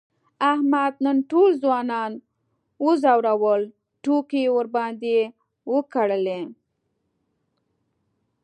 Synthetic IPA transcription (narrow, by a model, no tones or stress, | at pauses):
ahmad̪nənʈolzwɑnɑn | wəzawɾawəl | ʈokewəɾbɑnd̪e | wəkaɽəle